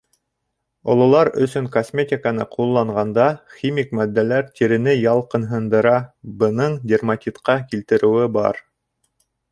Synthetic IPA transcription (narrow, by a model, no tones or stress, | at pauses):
ŏlˠŏlˠɑɾɵ̰̆sɵŋkosmʲet̪ʲɪkənɤqʰulˠːɑɴʁɑnd̪ɑxʲimʲikmæd̪ːælæɾt̪ʲʰiɾɘ̆nɘjɑlˠqɤ̆nɦɤ̆nd̪ɤ̆ɾɑbɤ̆nɤɴdʲermɐtʲit̪qɑkilt̪ɘ̆ɾɘ̆wɘbɑ̰ɾ